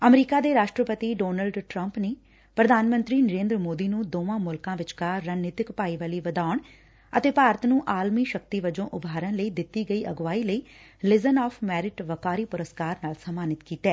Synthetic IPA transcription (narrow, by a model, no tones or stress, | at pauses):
əmɾiːkaːd̪eːɾaːʃʈɾəpət̪iːɖoːnəlɖʈɾəmpneː | pɾəd̪ʱaːnmə̃nt̪ɾiːnəɾẽːnd̪ɾəmoːd̪iːnũːd̪oːʋãːmʊlkãːʋɪt͡ʃkaːɾaːneːt̪ɪkpaːiːʋaːliːʋəd̪aːʊɳ | ət̪eːpaːɾət̪nũːʔaːlmiːʃəkt̪iːʋəd͡ʒõːʔʊbʱaːɾənləiːd̪ɪt̪ːiːɡəiːʔəɡʋaːiːləiː | lɪzənaːpʰmɛːɾɪʈʋəkaːɾiːpʊɾəskaːɾnaːlsəmaːnɪt̪kiːt̪ɛː